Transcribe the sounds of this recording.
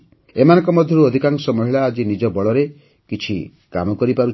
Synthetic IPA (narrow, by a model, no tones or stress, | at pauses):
emanɔŋkɔmɔd̪ʱjɔɾuɔd̪ʱikaŋsɔmɔɦiɭaːd͡ʒinid͡ʒɔbɔɭɔɾe | kit͡ʃʰḭ | ka̰mɔkɔɾipaɾu